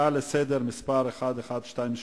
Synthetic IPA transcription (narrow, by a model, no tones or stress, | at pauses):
alesed̪eʁmispaʁeχad̪eχad̪ʃtajimʃ